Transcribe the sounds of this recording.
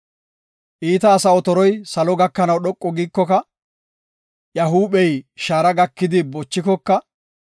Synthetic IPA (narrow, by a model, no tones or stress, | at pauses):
ʔiːt̪ɐːsɐɔt̪ɔɾɔjsɐlɔɡɐkːɐnɐwɗɔkʼːɔɡikːɔkɐ | jɐɦuːɓɛjʃaːɾɐɡɐkːɪd̪ɪbɔt͡ʃːɪkɔkːɐ